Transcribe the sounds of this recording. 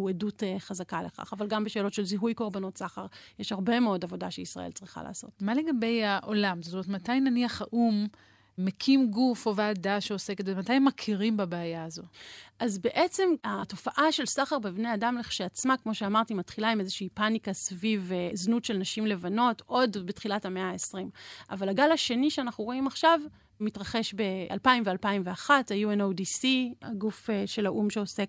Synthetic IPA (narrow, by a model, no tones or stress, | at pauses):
uedutχazakaleχa̰χavalɡambeʃeːlo̞tʃe̞lziɦujko̞ʁbano̞tsaχaʁjeʃhaʁbe̞meo̞davo̞daʃeisʁa̰ḛlt͡sʁiχa̰la̰ːso̞̰tmale̞ɡabe̞jaʔolamzot̪omeetmatajnaniaχaʔumː | ekʰimɡufovaːdaʃeose̞ket̪vematajemːakʰiʁimbabeːjaːzo̞ʔazbe̞ʔet͡se̞mato̞faʔaʃe̞lsaχaʁbebneadamleχʃeat͡smakmo̞ʃeamaʁt̪imatχilaimezeʃiipanikasviveznutʃe̞lnaʃimle̞vano̞to̞dbetχilathameaːesʁimʔa̰valaɡalaʃe̞niʃeanaχnuʁo̞imaχʃav | mitʁaχe̞ʃbe̞a̰lpaimvealpaimveaχatajuenowdisia̰ɡufʃe̞laʔumʃeose̞k